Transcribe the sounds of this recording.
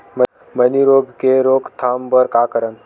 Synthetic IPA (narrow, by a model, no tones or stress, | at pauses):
mə | məniɾoːɡkeɾoːɡt̪ʰaːmpəɾkaːkəɾən